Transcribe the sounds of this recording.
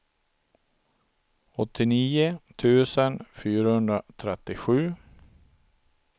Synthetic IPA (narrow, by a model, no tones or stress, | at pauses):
ɔt̪ʰːɪniːʊt̪ʰʉ̟ːsənfyːɾahɵnd̪ɾat̪ʰɾɛt̪ːɪɧʉ̟ː